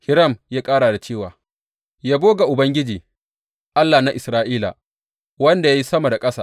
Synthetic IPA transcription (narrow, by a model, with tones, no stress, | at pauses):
hɪ˦ɾɐ˦˨mjaː˦kʼaː˦ɽa˨da˨t͡ʃeː˦˨waː˨ | jaː˦boː˦ɡa˨ʔʊ˨bɐ˦ŋɡʲɪ˦d͡ʒiː˨ | ʔa˦lːa˨na˦ʔɪ˨sɾaː˦ʔiː˦la̰˨ | wɐ˦nda˨ja˦ji˦sɐ˦ma˨da˨kʼɐ˦saː˨